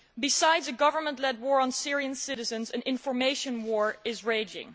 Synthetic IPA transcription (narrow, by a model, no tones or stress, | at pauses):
bɨsaɪdzɨɡʌvə˞mə̃ntˡlɛd̚wɔɹə̃nsɪɹiɨ̃nsɪɾɨzɨ̃nzɨ̃nɪ̃ɱfəɹmeɪʃə̃nwɔɹɪzɹeɪd͡ʒɪ̰̃ŋ